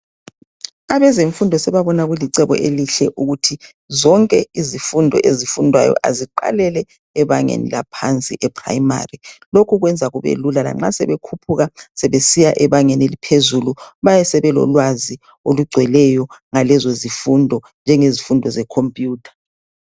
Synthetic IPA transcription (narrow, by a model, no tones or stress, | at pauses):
aβɛzeɱfundʱɔsɛβaβɔnaɣwuliǀɛβɔ̰ʔeliɬɛʔuɣutʰi | zɔŋkʼɛizifundʱɔ̰ʔezifundʱwajɔ̰ʔa̰ziǃa̰lɛlɛ | ɛβaŋḛnḭlapʰant͡sʼḭʔɛpʰra̰ima̰rilokʰuɣwɛnd͡zʱaɣuβḛlulala̰ŋ͡ǁasɛ̰βekʰupʰuɣasɛβesijaʔɛβaŋenelipʰezuluβajɛsɛβɛlɔ̰lwazi | oluɡ͡ǀʱwɛlɛjɔŋalɛzozifundʱɔ | nd͡ʒʱɛŋezifundʱɔzɛkʰompʼjuːtʰḁ